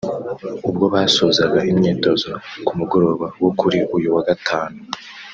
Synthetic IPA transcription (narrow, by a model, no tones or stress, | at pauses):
ubɡo̞βaːsoːzaɡaʔimɲiːto̞zokumuɡo̞ɾo̞ːβawokuɾiʔujuwaɡatʰaːnu